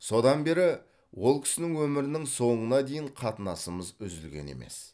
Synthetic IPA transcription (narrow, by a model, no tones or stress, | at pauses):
so̞d̪ɑnbe̞ɾɪ | wo̞lˠkʲʰɪ̥sɪnɪŋwɵmɪɾɪnɪŋso̞ɴənɑd̪e̞jɪɴqʰɑt̪ənɑsəməzʏzɪlɡʲe̞̰ne̞̰me̞̰s